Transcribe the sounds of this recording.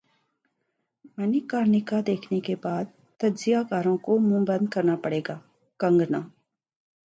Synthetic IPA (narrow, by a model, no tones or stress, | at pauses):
mənɪkaːɾnɪkad̪eːkʰnekebaːd̪̚ | t̪ɐd͡ʒzɪjakaːɾõkomũbənd̪̚kɐɾnapəɽeːɡaː | kɐ̃ŋɡnaː